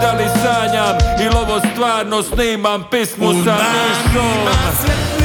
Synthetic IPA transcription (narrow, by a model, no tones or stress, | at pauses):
d̪alisaːɲamilɔʋɔst̪ʋaːɾnɔsniːmampismusaɛskɔ